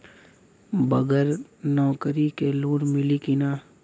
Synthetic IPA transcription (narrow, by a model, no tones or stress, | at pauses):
bɐɡəɾnɔːkɾikeluːnmɪlikinaː